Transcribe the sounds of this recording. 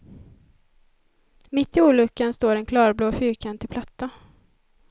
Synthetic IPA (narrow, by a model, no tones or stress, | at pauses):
mɪt̪ːɪuːɭɵkːənst̪oːɾɛnkʰlɑːɾbloːfyːɾkʰant̪ʰɪlpʰlat̪ːa